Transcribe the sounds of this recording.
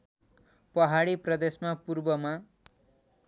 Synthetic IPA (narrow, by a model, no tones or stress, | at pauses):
pʌɦaɽiprʌd̪esmapurbʌma